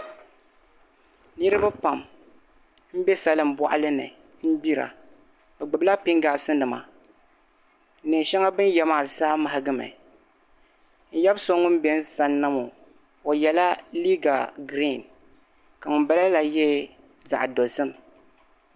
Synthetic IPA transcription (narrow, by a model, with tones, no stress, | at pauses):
nɨ˦ɾɨ˦ba˦pa˨m | m̩˦bɛ˦sa˦lɨ˨m̩bɔ̰˦ʔa̰˦lɨ˦nɨ̰˨ | n̩˦bi˦ɾa̰˨ | bɛ˨ɡ͡bɨ˨bla˦pi˦ŋɡaː˨sɨ˦nnɨ˨ma̰˨˦ | nɨ˨ŋ˨ʃɛ˦ŋa˦bɨ˦njɛ˦maː˦˨saː˦ma˨ha˦ɡɨ˦mɨ̰˨ | n̩˦jɛ˦bso˦ŋʊ˦n˦bɛ˦n˦sa˦nːa˦mo˨ | o˨jɛ˨la˦li˦ɡa˨ɡɾi˦˨n | ka˨ŋʊ˨nba˦la˦la˨jɛ˦ | za̰˨ʔdo˨zɨ˦m